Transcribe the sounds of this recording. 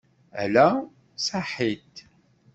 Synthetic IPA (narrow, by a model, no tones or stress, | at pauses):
æ̰læ | saħit̪